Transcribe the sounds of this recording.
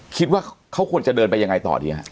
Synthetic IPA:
kʰi˦t̪̚waː˥˩kʰa˦˥wkʰu˧ənt͡ɕa˨˩dɤː˧npa˧jːa˧ŋa˧jt̪ɔ̰˨˩diː˧hɦa̰˦˥ʔ

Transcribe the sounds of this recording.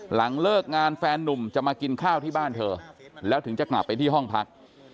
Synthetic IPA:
la˩˦ŋlɤː˥˩k̚ŋaː˧nfɛː˧nːu˨˩mt͡ɕa˨˩maː˧ki˧nkʰaː˥˩wt̪ʰiː˥˩baː˥˩nt̪ʰɤː˧lɛː˦˥t̪ɯ˩˦ŋt͡ɕa˨˩kla̰˨˩pːa˧jt̪ʰiː˥˩ɦɔ˥˩ŋpʰa˦˥k̚

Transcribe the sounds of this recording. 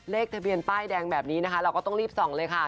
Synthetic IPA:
leː˥˩k̚t̪ʰa˧bi˧ənt̪aː˥˩jdɛː˧ŋbɛː˨˩p̚niː˦˥na˦˥kʰa˦˥ɾːwkɔː˥˩t̪ɔ˥˩ɾiː˥˩p̚sɔ˩˦ŋlɤː˧jkʰa˥˩

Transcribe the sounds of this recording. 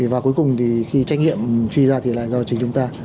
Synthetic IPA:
vaː˨˩ku˨˦jkʊ˨˩ŋ͡mt̪ʰi˨˩xi˧t͡ɕa˧k̟̚ŋḭ˧˨əmt͡ɕwi˧zaː˧t̪ʰi˨˩la̰ː˧˨jzɔ˧˩t͡ɕï˨˦ŋt͡ɕʊ˨˦ŋ͡mt̪aː˧

